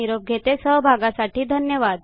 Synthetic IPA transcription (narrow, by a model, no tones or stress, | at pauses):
iɾob̚ɡʱet̪esəɦbʱaɡasaʈiːd̪ʱənjəʋad̪